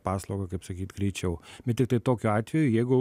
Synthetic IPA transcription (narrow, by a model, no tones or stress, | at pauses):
pɑːslˠɐʊɡɐkɐɪpsɐkʲiːt̪ɡɾʲɛɪt͡ʃʲɛʊbʲɛt̪tʲɪk̚t̪ɐɪt̪oːkʲuɑːt̪ʲʋʲɛjʊjɛɪɡʊ